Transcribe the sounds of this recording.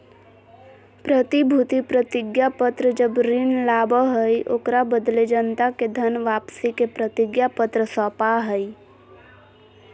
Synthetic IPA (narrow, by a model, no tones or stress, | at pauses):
pɾət̪ibʱut̪ipɾət̪ɪɡjapət̪ɾəd͡ʒəbɾɪnlaːbəɦəiʔo̰kɾabəd̪led͡ʒənt̪aked̪ʱənʋaːpsikepɾət̪ɪɡjapət̪ɾəsɔːpaɦəi